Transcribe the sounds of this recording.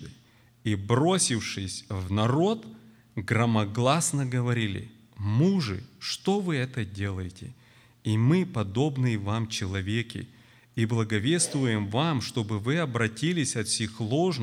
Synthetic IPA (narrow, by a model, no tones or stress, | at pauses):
ibɾo̞sʲɪfʂɨsʲvnɐɾo̞t̪ | ɡɾɐmɐɡlˠasnəɡəvɐɾʲilʲɪ̰ | muʐɨ̰ʂt̪o̞vɨɛt̪ədʲe̞lˠəjɪtʲɪ̰ | imɨpɐd̪o̞bnɨjɪvamt͡ɕɪlˠɐvʲekʲɪ̰ | iblˠɐɡɐvʲe̞st̪vʊjɪmvamʂt̪o̞bɨvɨɐbɾɐtʲilʲɪsʲɐt̪fsʲixlˠoʐn